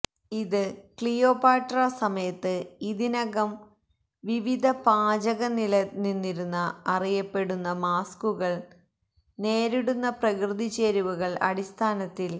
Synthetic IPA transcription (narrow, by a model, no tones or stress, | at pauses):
iðɨkɭijo̞ːpaːʈrɐsɐmɐjɐt̪ːɨiðinɐɣɐm | ʋiʋid̪ʱɐpaːd͡ʑɐɣɐnilɐninːiɾunːɐːrijɐpːe̞ɽunːɐmaːskuɣɐɭ | neːɾiɽunːɐprɐkrɨðit͡ɕːeːɾuʋuɣɐɭɐ̰ɽist̪ʰaːnɐt̪ːil